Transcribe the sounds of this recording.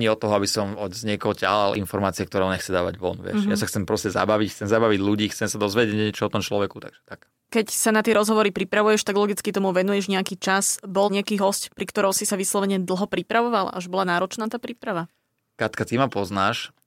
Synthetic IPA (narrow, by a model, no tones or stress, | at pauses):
ɲiɔt̪ːɔɦɔabisɔmɔzɲɪɛkɔɦɔca̰ɦalʔḭnfɔɾmaːt͡siɛkt̪ɔɾɛɔɲɛxt͡sɛd̪aːʋa̰ɟʋɔ̰nʋɪɛ̰ʃja̰saxt͡sɛmpɾɔscɛza̰baʋicxt͡sɛmzabaʋiɟluɟiːxt͡sɛmsad̪ɔzʋɛɟɛɲɛɲɛɛt͡ʃɔɔt̪ɔmt͡ʃlɔʋɛkut̪a̰ɡ̥ʒ̥ɛ̥t̪ak | kɛcsanat̪ɪɛɾɔzɦɔʋɔɾipɾipɾaʋujɛʃt̪aɡlɔɡit͡skit̪ɔmuʋɛnujɛʒɲɛakiːt͡ʃasbɔlɲɛakiːɦɔscpɾikt̪ɔɾɔʊsisaʋislɔʋɛɲɛd̪l̩ˠɦɔpɾipɾaʋɔʋala̰ʔaʒbɔlanaːɾɔt͡ʃnaːt̪aːpɾiːpɾaʋa | kat̪kat̪imapɔznaːʃ